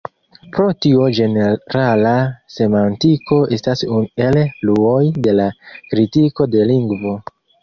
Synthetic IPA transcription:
pɾo̞tiod͡ʒe̞neɾalase̞mantiko̞e̞stasune̞lluojde̞lakɾitiko̞de̞liŋɡvo̞

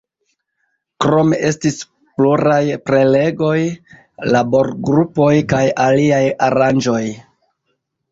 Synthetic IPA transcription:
kɾo̞me̞ʔe̞stis | pluɾajpɾe̞le̞ɡo̞j | labo̞ɾɡɾupo̞jkajaliajaɾand͡ʒo̞j

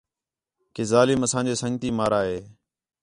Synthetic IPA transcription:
keːzaːlɪməsãːɲd͡ʒeːsəŋɡt̪iːmaːɾaːɦeː

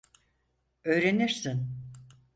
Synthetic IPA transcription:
ø̞jɾe̞niɾsin

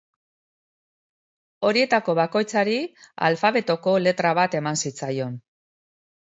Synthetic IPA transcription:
o̞ɾie̞t̪ako̞βako̞jt͡saɾia̰lfaβe̞t̪o̞ko̞le̞t̪ɾaβ̞at̪e̞mansit͡sajo̞n

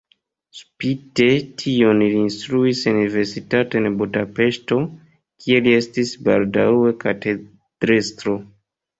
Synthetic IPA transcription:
spite̞tʰio̞nliːnstɾuisunive̞ɾsitatoenbudape̞sto̞ | kʰie̞lie̞stisba̰ldawe̞kate | d̥ɾestɾo̞

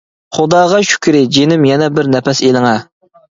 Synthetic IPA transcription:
χʊd̪ɑːʁɑʃy̥kʲʰɾɪd͡ʒenɪmjɛnɛbɪɾnɛpɛselɪŋɛ

